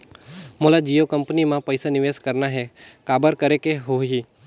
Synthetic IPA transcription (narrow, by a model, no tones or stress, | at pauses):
molad͡ʒijokəmpnimãpəjsanɪʋeskəɾnaɦɛkabəɾkəɾekeɦoɦiː